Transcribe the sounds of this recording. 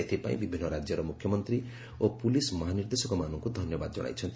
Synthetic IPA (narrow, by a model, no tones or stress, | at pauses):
et̪ʰipa̰ĩbibʱinːɔɾad͡ʒjɔɾɔmukʰːjɔmɔnt̪ɾi | opulismɔɦaniɾd̪esɔkɔmanɔŋkud̪ʱɔnjɔba̰d̪ɔd͡ʒɔ̰ɽ̃a̰jt͡ʃʰɔnt̪